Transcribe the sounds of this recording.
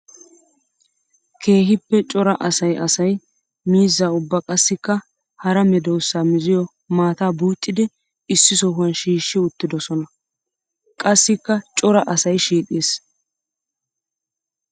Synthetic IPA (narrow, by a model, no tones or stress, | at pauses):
kʰe̞ːhɪpːɛt͡ʃʼɔɾɐʔɐsɐjʔɐsɐj | miːzːaːʊbːɐkʼɐsːɪkːɐ | hɐɾɐmɛd̪ɔwsːaːmɪzɪjɔ | maːt̪aːbuːt̪ʼːɪd̪ɪ | ɪsːɪsɔɦʊɐnʃiːʃːɪʊt̪ːɪd̪ɔsɔnɐ | kʼɐsːɪkːɐt͡ʃʼɔɾɐʔɐsɐjʃiːt̪ʼeːs